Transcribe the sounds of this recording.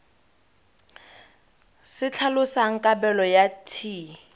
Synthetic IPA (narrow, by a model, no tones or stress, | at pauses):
sɪt͡ɬʰalʊsaŋ̩kʼabɛlɔjatʰiː